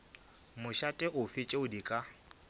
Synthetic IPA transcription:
mʊʃatʼɛʔʊfɪt͡ʃʼeʊdikʼa

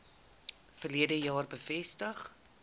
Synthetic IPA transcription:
fərliədəjɑːrbəfɛstəχ

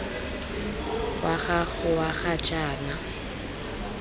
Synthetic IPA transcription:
wʔaχaɣʊwaχat͡ʃʼaːna

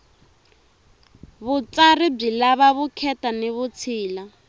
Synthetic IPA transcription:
βut͡sarib͡ʐilaβaβukʰɛtaniβut͡sʰiːla

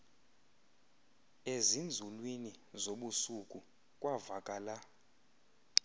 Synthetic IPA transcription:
ezind͡zʱulwinizoɓusukʼu | kʼwavakʼaːla

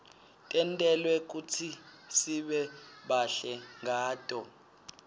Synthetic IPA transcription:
tʼɛntʼɛlwɛk̬ut͡sʰisiɓɛɓaɬɛŋaːtʼɔ

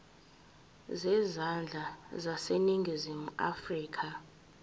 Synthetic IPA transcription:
zɛzand͡ɮʱazaseniŋɡʱizimua̰friːkʰa

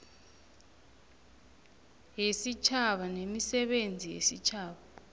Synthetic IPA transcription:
ɦesit͡ʃʰaɓanemisɛɓend͡zʱijḛsit͡ʃʰaːɓa

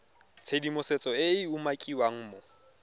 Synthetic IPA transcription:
t͡sʰedimʊset͡sʼɔɪɪʊmakʼiwaŋ̩ːmɔ

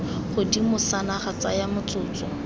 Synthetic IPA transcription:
χʊdimʊsanaχat͡sajamʊt͡sʊːt͡sɔ

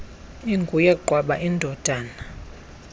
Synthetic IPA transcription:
iŋɡʱujɛɡ͡ǃʱwaɓaʔindʱɔd̥ʱaːna

